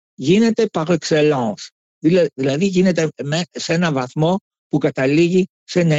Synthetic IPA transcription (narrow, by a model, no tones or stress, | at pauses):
ʝine̞t̪e̞pɐɾoekse̞lɐ̃ns | ðiðilɐðiʝine̞t̪emese̞nɐvɐθmo̞ | pukɐt̪ɐliʝi | senɐ